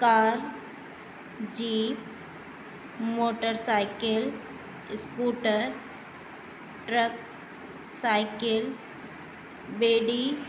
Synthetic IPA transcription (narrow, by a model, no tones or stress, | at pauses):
kaːɾ | d͡ʒiːp | moːʈəɾsaɪkɪl | skuːʈəɾ | ʈɾək̚ | saɪkɪl | beːɖi